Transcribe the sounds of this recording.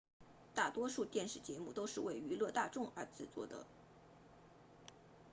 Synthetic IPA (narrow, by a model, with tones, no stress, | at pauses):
t̪a˥˩t̪wɔ˥ʂu˥˧t̪jɛ˥˧nʂɻ̩˥˩t͡ɕjɛ˧˥mu˥˩t̪o˥ʊʂɻ̩˥˧we˥˩ɪy˧˥lɤ˥˧t̪a˥˧ʈ͡ʂʊ˥˩ŋə˞˧˥t͡sɹ̩˥˩t͡swɔ̰˥˩d̪ə̰˩˦